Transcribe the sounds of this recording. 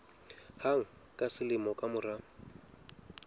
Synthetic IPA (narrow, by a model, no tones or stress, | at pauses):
haŋ̩ | kʼasɪlɪmɔkʼamʊra